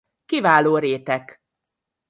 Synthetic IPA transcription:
kivaːloːɾeːt̪ɛk

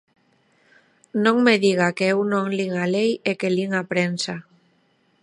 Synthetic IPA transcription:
nõŋmeðiɣ̞akeewnõŋliŋalejekeliŋapɾensa

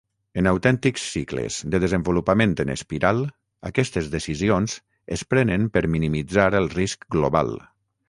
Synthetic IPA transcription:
ənəwt̪ɛnt̪iksːiklə̰z̥d̪əðəzəmbulupəmẽnt̪ənə̰spiɾalˠ | ə̰kɛst̪əzðəsizionz | ə̰spɾɛnəmpəɾminimid͡zaɾəlˠriskɡloβa̰lˠ

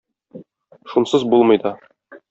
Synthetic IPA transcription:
ʃunsɤzbulˠmɤ̆jd̪ɑ

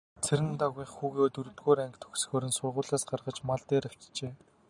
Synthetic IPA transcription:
t͡sʰeɾɘ̆nt̪aɣiːχxuːɣeːoːt̪ɵɾɵ̆t̪ɡoːɾæŋkʲt̪ʰɵ̥xs̆xoːɾɘ̆nsʊrʁʊːɮaːsɢarʁə̆t͡ɕmaɮt̪eːɾaw̥ʲt͡ɕt͡ɕeː

